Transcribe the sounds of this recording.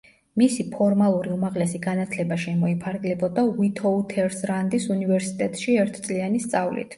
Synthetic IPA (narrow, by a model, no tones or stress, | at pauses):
misipʰɔɾmalˠuɾiumaʁlɛsiɡanat̪ʰlɛbaʃɛmɔipʰaɾɡlɛbɔd̪awit̪ʰɔut̪ʰɛɾsɾand̪isunivɛɾsit̪ʼɛt̪ʼʃiɛɾt̪ʰt̪sʼlianist̪sʼavlḭt̪ʰ